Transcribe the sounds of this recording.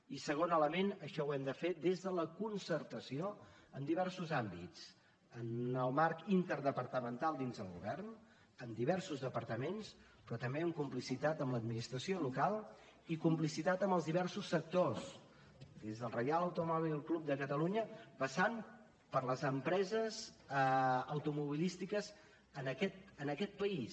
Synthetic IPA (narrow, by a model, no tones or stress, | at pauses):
isəɣ̞onələmenəʃɔwɛmd̪əfed̪ezðələkunsəɾt̪əsio | əmd̪iβ̞ɛɾsuzambit͡s | ənəlˠmaɾkint̪əɾðəpəɾt̪əmənt̪alˠd̪inzðəlˠɣṵβɛrn | əmd̪iβɛɾsuzðəpəɾt̪əmens | pɾɔt̪əmbeəmkumplisit̪at̪əmləd̪̚minist̪ɾəsiolukalˠ | ikump̬lisit̪at̪əmbəlˠzðiβɛɾsusːək̚t̪os | d̪ezðəlˠrəjalˠəwt̪umɔβililˠklup̚d̪əkət̪əluɲəpəsam | pəɾləzəmpɾɛzəz | əwt̪umuβilist̪ikəz | ənəkɛt̪ənəkɛt̪̚pəis